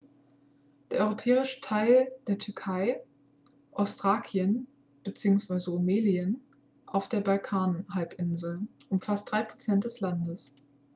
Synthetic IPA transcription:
d̥eːɐʔɔʏʁopʰɛːʁɪʃə̥tʰaɪld̥eːɐtʰʏɐkʰaɪ | ʔaʊstʁ̥aːkʰjən | b̥ət͡siːʊŋsv̥aɪzəomeːliən | ʔaʊfd̥eːɐbalkʰaːnɦalpʔɪnzl̩ʔʊmfast̚d̥ʁaɪpʁ̥ot͡sɛnt̚d̥ɛslandəs

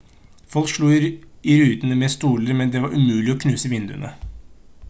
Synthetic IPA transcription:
fɔlkʂɭuːɪɾʉːt̪ənəmɛst̪uːləɾmɛnd̪ɛʋɑɾʔʉmʉːlɪɔkʰnʉːsəʋɪnd̪ʉ̰ə̰nə

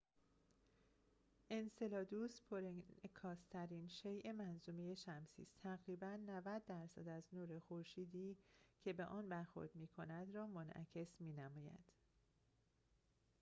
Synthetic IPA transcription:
ʔense̞lɒːd̪uːspʰoɾekʰɒːst̪ʰæɾiːnʃejʔe̞mænzuːmeje̞ʃæmsḭːst̪ʰæɣɾiːbænːævæd̪ːæɾsæ̰d̪æznuːɾe̞xoɾʃiːd̪iːcʰe̞beʔɒːnbæɾxo̞̰ɾd̪miːkʰonæd̪ɾɒːmonʔæ̰cʰe̞smiːnæmɒːjæ̰d̪̥

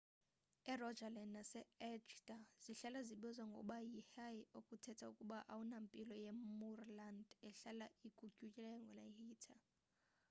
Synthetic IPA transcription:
ɛrɔd͡ʒalɛnnasɛɛt͡ʃdaz̥iɬalaziɓɛzwaŋɡʱɔ̰ɓajihaiokʼutʰɛtʰaukʼuɓaʔawunampʼilɔjemurlandɛɬalaikʼucʼucʼilɛjɔŋɡʱɔlahiːtʰa

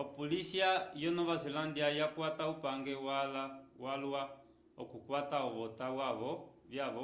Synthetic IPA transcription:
ɔpɔlisiajɔnɔʋazɛlandiajakwataupaŋɡɛwalawalwa | ɔkukwataɔβɔtawaβɔ | vjaʋɔ

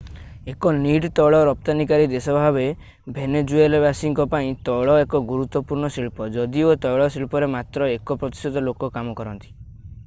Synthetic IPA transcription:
ekɔniɖt̪ɔɭɔɾɔp̚t̪anikaɾid̪esɔbʱaβe | bʱened͡ʒuelbasiŋkɔpaĩt̪ɔɭɔekɔɡuɾut̪ːɔpuɾɳɔsiɭpɔd͡ʒɔd̪iot̪ɔjɭɔsilpɔɾemat̪ɾɔekɔpɾɔt̪i̥sɔd̪ɔlokɔkamɔkɔɾɔnt̪i̥

